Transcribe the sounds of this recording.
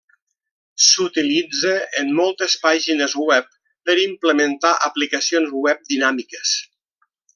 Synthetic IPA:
sut̪ilid͡zeʔːmːɔlˠt̪espaʒinəzwɛpː | əɾimpləmənt̪aʔəplikəsionzwɛp̚d̪inamikes

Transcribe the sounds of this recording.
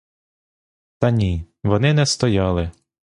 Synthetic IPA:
t̪ɐnʲi | ʋɔnɪnɛst̪ɔjɑlˠɪ

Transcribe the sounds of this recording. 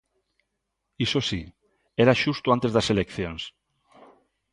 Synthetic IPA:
isosi | eɾaʃust̪oant̪ezðaselekθjons

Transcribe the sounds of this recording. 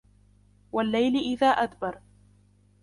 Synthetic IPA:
walːajlɪʔɪðaːʔad̪bɑɾˤ

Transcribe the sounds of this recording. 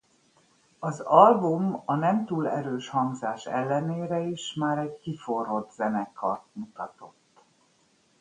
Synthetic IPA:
ɒzɒlbumɒnɛmt̪uːlɛɾøːʃhɒŋɡzaːʃɛ̰lːɛneːɾɛiʃmaːɾɛɟkiforo̞t̪zɛnɛkʰɒrt̪mut̪ɒt̪o̞t̪ː

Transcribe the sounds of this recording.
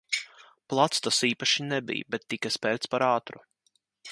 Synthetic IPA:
plˠat̪st̪asiːpaʃinɛbḭjbɛt̪ːikaspɛɾt̪spaɾaːt̪ɾṵ

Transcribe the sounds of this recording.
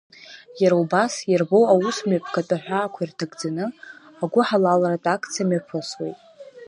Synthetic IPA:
jaɾaubasjarbo̞wawusmapʰʼkʰatʼaħᶣʷaːkʷʰairtʰaɡd͡zanɨ | aɡʷʊħalalaratʼakʰʼt͡sʰiamapʰaswḛjtʼ

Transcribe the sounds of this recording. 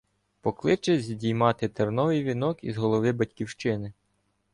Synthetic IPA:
pɔklˠɪt͡ʃɛzʲdʲijmɑt̪ɪt̪ernɔʋɪjʋʲinɔkizɦɔlˠɔʋɪbɐtʲkʲiwʃt͡ʃɪnɪ

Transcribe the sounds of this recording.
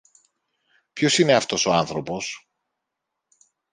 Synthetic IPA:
pço̞sine̞ɐft̪o̞so̞ɐnθɾo̞po̞s

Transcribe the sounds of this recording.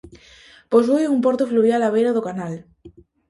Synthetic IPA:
pozβujumpoɾt̪efluβjalaβ̞ejɾaðokanal

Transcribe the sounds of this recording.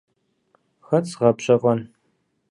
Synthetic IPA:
xɐt͡sʁɐpɕʼɐqʼɐn

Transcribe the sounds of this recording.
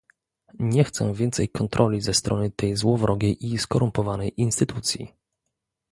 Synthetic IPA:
ɲɛxt̪sɛ̰̃vʲjɛnt̪sɛjkɔnt̪ɾʔɔlʲizɛst̪ɾʔɔnɘt̪ɛjzwɔvɾʔɔɡʲejʔiskɔɾumpɔvanɛjinst̪ɘt̪ut̪sʲjḭ

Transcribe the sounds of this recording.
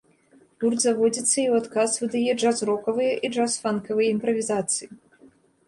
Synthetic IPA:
purd̪zavɔd͡zʲit̪sːɐiwat̪kasvɨd̪ajɛʐazrɔkɐvɨjɐʔiʐasfankɐvɨjɐimpɾɐvʲizat̪sɨji

